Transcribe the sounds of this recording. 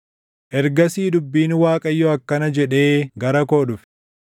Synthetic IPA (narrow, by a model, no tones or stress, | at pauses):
ʔɛɾɡɐsiːd̪ʊbːiːnwaːkʼɐjːɔɐkːɐnɐd͡ʒɛᶑe̞ːɡɐɾɐko̞ːdʊf